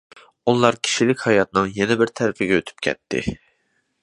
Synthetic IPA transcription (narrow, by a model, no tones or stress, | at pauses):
ulˠɑɾkʲʰi̥ʃilɪkʲhɑjɑt̪̚nɨŋjɛnɛbɪɾt̪ʰæɾɪpɪɡʲɛøt̪ʰy̥p̚kʲʰɛ̰t̪ʰːɪ̰